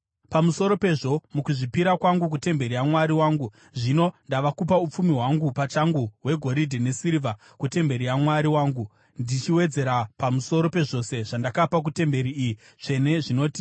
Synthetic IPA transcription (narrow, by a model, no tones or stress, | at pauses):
pamuso̞ɾo̞pe̞ʐo̞mukuʐipiɾakwaŋɡuk̬ute̞mbe̞ɾijamwaɾiwaːŋɡu | ʐino̞ndaʋakupaup͡fumiɦwaŋɡupat͡ʃaŋɡuɦwe̞ɡʱo̞ɾidʱene̞siɾiva | kute̞mbe̞ɾiamwaɾiwaːŋɡu | ndit͡ʃiwe̞d͡ze̞ɾapamuso̞ɾo̞pe̞ʐo̞se̞ʐandakapak̬ute̞mbe̞ɾiːji | ʐe̞ne̞ʐino̞ːti̥